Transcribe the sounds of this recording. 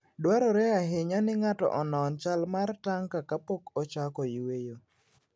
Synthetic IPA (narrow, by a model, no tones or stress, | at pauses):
dwaɾɔɾɛaɦeɲɔnɪŋatɔ̰ʔɔnɔnt͡ʃalmartaŋkakapɔkɔt͡ʃakɔiwejo